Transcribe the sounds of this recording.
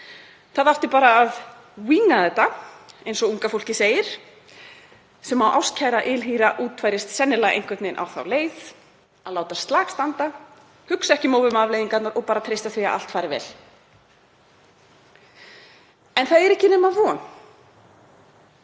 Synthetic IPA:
θaðaft̪ɪpaːɾaːð | wiːnaðθɛt̪ːaejnsɔuŋkafowl̥cɪseːjɪɾ̥ | sɛmawʔawscʰaːjɾaʔɪlɦiːɾaʔuːt̪fajɾɪst̪sɛnːɪlaɣḛjnŋ̥kvɛt̪nɪnʔa̰wθa̰wleːjθ | aðlaːwt̪ast̪laːkst̪ant̪a | hʏksaɛhcɪmoːwvʏmavlejiŋkat̪naɾɔɣpaːɾat̪ʰɾejst̪aθvia̰ʔa̰lt̪faːɾɪvɛ̰ːl | ɛnθaðɛɾɛhcɪnɛːmavɔn

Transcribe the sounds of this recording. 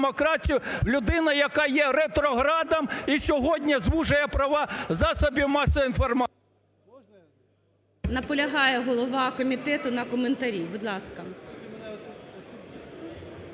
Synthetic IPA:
mɔkɾɑtʲijʊwlʲʊd̪ɪnɐjɐkɑjɛɾɛt̪ɾɔɦɾɑd̪ɐmisʲɔɦɔdʲnʲɐzʋuʒɐjɛpɾɐʋɑzɑsɔbʲimɑsɔinfɔrm | nɐpɔlʲɐɦɑjɛɦɔlˠɔʋɑkɔmʲit̪ɛt̪ʊnɐkɔment̪ɐɾʲiwbʊd̪lˠɑskɐ

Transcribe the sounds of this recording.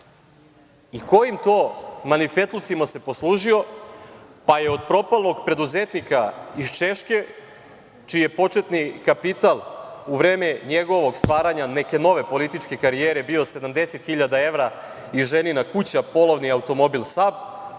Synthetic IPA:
iko̞jimt̪o̞ːmanife̞t̪lˠut̪simase̞po̞slˠuːʒio̞ | paje̞o̞d̪̚pɾo̞palˠno̞ɡpɾe̞d̪uzet̪nikaist͡ʃe̞ʃke̞ | t͡ʃijepo̞t͡ʃet̪nikapit̪alˠuʋɾeːmeɲeɡo̞ʋo̞ɡst̪ʋaːɾaɲaneke̞no̞ʋe̞po̞lit̪it͡ʃke̞kaɾijeːɾebio̞se̞d̪amd̪e̞set̪xiʎad̪ae̞ʋɾa | iʒeninakut͡ɕapo̞loʋniaut̪o̞mo̞bilˠsab

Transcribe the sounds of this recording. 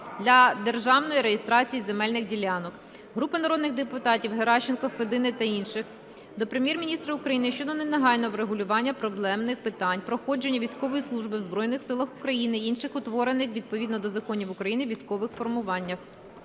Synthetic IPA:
d̪lʲɐd̪erʒɑwnɔjiɾejest̪ɾɑt͡sʲijizemɛlʲnɪxdʲilʲːɑnɔk | ɦɾupɪnɐɾɔd̪nɪɣd̪epʊt̪ɑtʲiwɦeɾɑʃɪnkɔfed̪ɪnɪt̪ɐinʃɪx | d̪ɔpɾemjɛrmʲinʲist̪ɾɐʊkɾɐjinɪʃt͡ʃɔd̪ɔnenɐɦɑjnɔʋɾeɦʊlʲʊʋɑnʲːɐpɾɔblˠɛmnɪxpɪt̪ɑnʲpɾɔxɔd͡ʒe̞nʲːɐʋʲijsʲkɔʋɔjislˠuʒbɪwzbɾɔjnɪxsɪlˠɐxʊkɾɐjinɪinʃɪxʊt̪ʋɔɾenɪxʋʲid̪̚pɔʋʲid̪nɔd̪ɔzɐkɔnʲiwʊkɾɐjinɪʋʲijsʲkɔʋɪxfɔrmʊʋɑnʲːɐx

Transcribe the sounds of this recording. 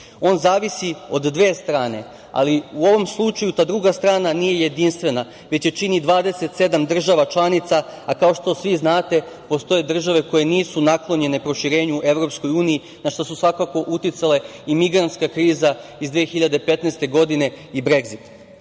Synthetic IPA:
o̞ːnzaːʋisio̞d̪ːʋe̞ːst̪ɾaːne̞ | a̰liuo̞ʋo̞mslˠut͡ʃajut̪aːd̪ɾuɡast̪ɾaːnanije̞je̞d̪inst̪ʋe̞na | ʋe̞t͡ɕje̞t͡ʃinid̪ʋaːd̪e̞se̞t̪se̞d̪amd̪r̩ʒaʋat͡ʃlˠanit̪saakao̞ʃt̪o̞sʋiznaːt̪e̞ | po̞st̪o̞je̞d̪r̩ʒaʋe̞ko̞je̞niːsunaklˠo̞ɲe̞ne̞pɾo̞ʃiɾe̞ːɲuʔe̞ʋɾo̞psko̞juːniː | naʃt̪osusʋakako̞ʔut̪it̪sale̞imiɡɾant̪skakɾiːzaizd̪ʋiexiʎad̪e̞pe̞t̪neːst̪e̞ɡo̞d̪ine̞ | ibɾeɡzit̪

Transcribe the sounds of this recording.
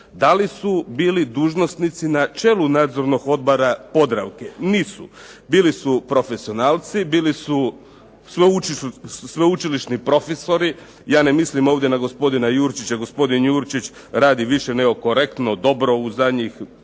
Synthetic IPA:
d̪alisubiːlid̪uːʒno̞st̪nit̪sinat͡ʃe̞ːlunaːd̪zo̞ɾno̞ɡo̞d̪boɾapo̞d̪ɾaʋkeniːsubiːlisupɾo̞fesio̞naːlˠt̪sibiːlisu | sʋeuisʋeut͡ʃiliʃnipɾo̞feso̞ɾi | jaːnemislimo̞ːʋdjenaɡo̞spo̞d̪inajuːɾt͡ʃit͡ɕaɡo̞spo̞d̪injuːɾt͡ʃit͡ɕ | ɾaːd̪iʋiʃene̞ɡo̞ko̞ɾe̞kt̪no̞d̪o̞bɾo̞uzad̪ɲix

